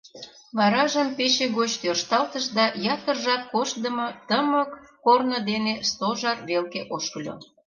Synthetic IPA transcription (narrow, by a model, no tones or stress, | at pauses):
βɑɾɑʒəmpeɕeɣot͡ɕt̪ørʃt̪ɑlt̪əʃd̪ɑjɑt̪ərʒɑt̪̚koʃd̪əmɤt̪əməkːornod̪enest̪oʒɑrβelkeʔoʃkəlʲo̰